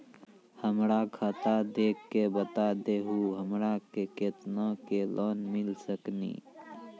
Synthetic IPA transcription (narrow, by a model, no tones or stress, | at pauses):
həmɾakʰat̪ad̪eːkːebət̪ad̪eɦuɦəmɾakeket̪nãkelʔɔːnmɪlsəknḭː